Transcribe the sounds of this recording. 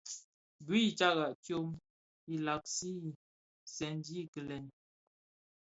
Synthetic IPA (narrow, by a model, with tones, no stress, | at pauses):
bwi˦i˨t͡ʃa˦ɣa˨tjo˦m | i˨la˨k̚si˦˨ | sɛ˨n˦d͡ʒi˦˨kə˨lɛ˨n˨